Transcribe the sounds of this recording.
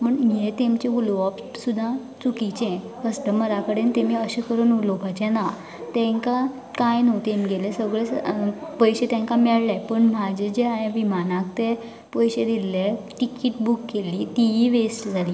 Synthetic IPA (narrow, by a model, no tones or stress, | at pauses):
məɳɦet̪emt͡ɕeuloɔp | sud̪ʱːã | t͡sukit͡ɕɛ̃ | kəsʈəməɾakəɽent̪emiːəɕekəɾənulopat͡ɕẽna | t̪ɛ̃ŋka | kajnowt̪emɡelesəɡɭepəjɕet̪ɛ̃ŋkamɛɭlapəɳmad͡ʑʱed͡ʑeajãʋimanak̚t̪e | pəjɕed̪ilːeʈikiʈbukːeliːt̪iiʋesʈd͡zʱaliː